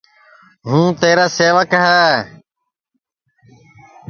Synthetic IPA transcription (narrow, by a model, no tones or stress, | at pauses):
ɦũːt̪eːɾaːseːʋəkɦɛː